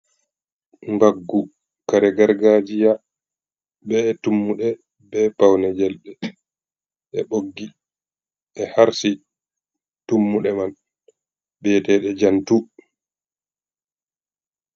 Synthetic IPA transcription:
mbaɡːu | kaɾɛɡaɾɡad͡ʒija | bɛːtumːuɗɛ | bɛpawnɛd͡ʒɛlɗɛ | ɛɓoɡːi | ʔɛhaɾsi | tumːuɗɛman | bɛtɛɗɛd͡ʒantu

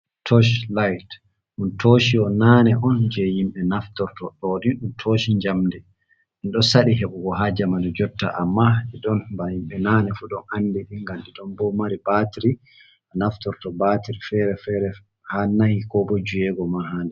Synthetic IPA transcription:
tʰɔʃlajt | ʔuntoʃiɔnanɛʔɔnd͡ʒɛjimɓɛnaftɔɾtɔɗɔɗinɗuntʰoːʃiɲd͡ʒamdɛ | ʔinɗɔsaɗiɦeɓuɡɔɦad͡ʒamanɔd͡ʒɔtːa̰ʔamːaɗiɗɔnbajimɓɛnanɛfuɗɔnandiɗiŋɡamɗiɗɔnbɔmaɾibatiɾi | anaftɔɾtɔbatiɾifɛɾɛfɛɾɛ | hanahikɔbɔd͡ʒuɛɡɔmaɦanɛ

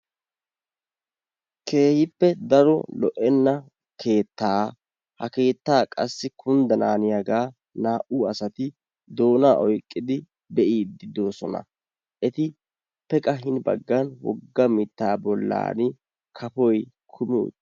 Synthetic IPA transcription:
kʰe̞ːhɪpːɛd̪ɐɾɔlɔʔɛnːɐ | kʰe̞ːt̪ːaː | hɐke̞ːt̪ːaːkʼɐsːɪkʰʊnd̪ɐnaːnɪjaɡaː | naːʔuːɐsɐt̪ɪ | d̪o̞ːnaːʔɔjkʼːɪd̪ɪ | bɛʔiːd̪ɪd̪o̞ːsɔnɐ̰ | ʔɛt̪ɪ | pɛkʼɐɦɪnbɐ̰ɡːɐnwɔ̰ɡːɐmɪt̪ːaːbɔlːa̰ːnɪ | kʰɐpɔj | kʰʊmɪʊ̰

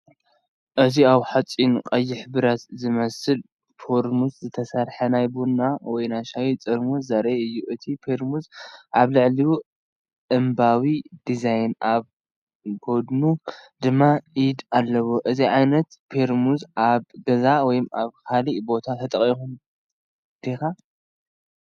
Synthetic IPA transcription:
ʔɨziawħat͡sʼinqʼɐjːɪħbɨɾat̪zɨmɐsɨl | fʰoɾmuszɨt̪ʰɐsɐɾħɐnajbunːawɔjnajʃajit͡sʼɨɾmuszaɾeɨjːuʔɨt̪ʰipʰeɾmuzʔaβlɨʕliwu | ʔɨmbawid̪izajnʔaβ | ɡod̪nud̪ɨmːaʔid̪alːɐwoʔɨziʕajnɐt̪pʰeɾmuzʔaβɡɐzawɔjmʔaβkʰalibo̞t̪ʰat̪ʰɐt̪ʼɐχʼixun | d̪̥eka

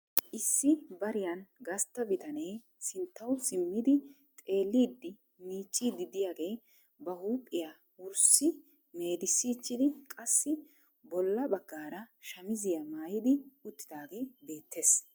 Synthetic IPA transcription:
ʔɪsːɪbɐɾɪjɐnɡɐst̪ːɐbɪt̪ɐnej | sɪnt̪ːɐwsɪmːɪd̪ɪ | t̪ʼe̞ːlːiːd̪ːɪ | miːt͡ʃʼːiːd̪ːɪd̪ɪjaːɡe̞ː | bɐhuːpʼːɪjaː | wʊɾsɪ | me̞ːd̪ɪsːiːt͡ʃːɪd̪ɪkʼɐsːɪ | bɔlːɐbɐɡːaːɾɐʃɐmɪzɪjɐmaːjɪd̪ɪʊt̪ːɪ̥d̪aːɡe̞ːbe̞ːt̪ʰːe̞ːs

